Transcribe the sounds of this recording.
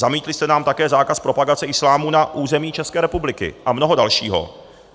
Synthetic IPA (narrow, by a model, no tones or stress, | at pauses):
zamiːt̪lɪst̪ɛnaːmt̪akɛːzaːkaspɾo̞paɡat͡sɛɪslaːmunaʔuːzɛmiːt͡ʃɛskɛːɾɛpublɪkɪ̰ʔamnoɦodalʃiːɦo̞̰